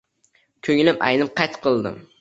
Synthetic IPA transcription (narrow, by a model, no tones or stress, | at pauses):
kʲʰɵŋlɪpa̰jnɪpqʰɑjt̪qʰɨlˠd̪ɪ̰m